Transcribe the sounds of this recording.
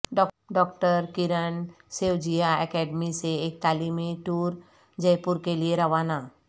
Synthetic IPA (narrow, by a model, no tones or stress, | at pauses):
ɖɔ | ɖɔkʈəɾkiɾən | sewd͡ʒijaɛkɛɖmiseːk̚t̪alimeʈuɾ | d͡ʒəjpuɾkelieɾɐʋana